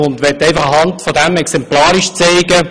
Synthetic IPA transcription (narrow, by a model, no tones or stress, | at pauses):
ʊndʋɛtːɛɪfɑχəhɑntfɔdɛmɛksɛmplɑːɾiʃt͡seɪɡə